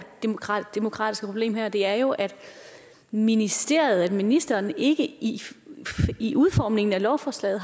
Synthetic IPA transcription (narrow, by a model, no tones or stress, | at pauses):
d̥emokʰʁɑ̰d̥e̝mo̝kʰʁɑ̰ːdisɡ̥pʰob̥le̝̰ːmɦæɐd̥e̝æɐjo̝ʔæd̥ | minisd̥e̝̰ɐ̰jð̩ˠædminisd̥ɐːne̝ɡ̥əi | iʔuð̞ˠfɒ̰ːmne̝ŋn̩ælɒʊfɒːslɛ̰ːð̩ˠ